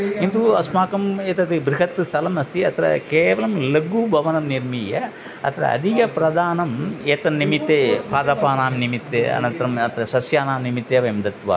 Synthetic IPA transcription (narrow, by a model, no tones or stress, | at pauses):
int̪uɐsmaːkɐmeːt̪ɐt̪ibɾiɦɐt̪st̪ʰɐlɐmɐst̪iɐt̪ɐɾɐ̰keːʋɐlɐmlɐɡubʱɐʋɐnɐmniɾmiːjɐ | ɐ̰t̪ɐɾɐ̰ɐ̰d̪ʱikɐpɾɐd̪aːnɐmeːt̪ɐnimit̪ːeːpʰaːd̪ɐpaːnaːmnimit̪ːeːɐ̰nɐnt̪ɐɾɐmɐt̪ɐɾɐsɐsjaːnaːmnimit̪jeːʋemd̪ɐt̪ʋɐ̰